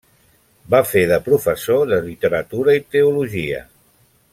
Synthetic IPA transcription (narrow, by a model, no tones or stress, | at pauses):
bafeðəpɾufəsoðəlit̪əɾət̪uɾəit̪euluʒiə̰